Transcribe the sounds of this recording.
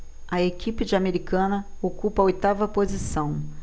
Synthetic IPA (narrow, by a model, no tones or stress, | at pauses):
ɐekipɪd͡ʒɪameɾikɐ̃nɐ | okupɐojt̪avɐpozisɐ̃w̃